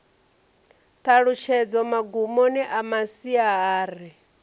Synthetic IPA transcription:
t̪ʰaɺut͡ʃʰɛd͡zɔmaɡumoniʔamasiaaːɾi

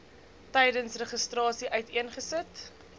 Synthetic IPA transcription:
tɛjdənsrəχəstrɑːsiʔœɥtiənχəsət

